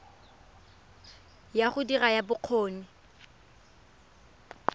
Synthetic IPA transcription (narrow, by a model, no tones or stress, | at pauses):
jaχʊdirajabʊq͡χʰoːnɪ